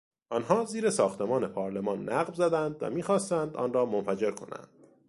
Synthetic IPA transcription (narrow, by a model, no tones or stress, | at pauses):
ʔɒːnɦɒːziːɾesɒːxt̪ʰe̞mɒːne̞pʰɒːɾle̞mɒːnːæːɣvzæd̪ænd̪væ̰miːxɒːst̪ænd̪ɒ̰ːnɾɒːmonfæd͡ʒe̞ɾkʰo̞̰næ̰nd̪̥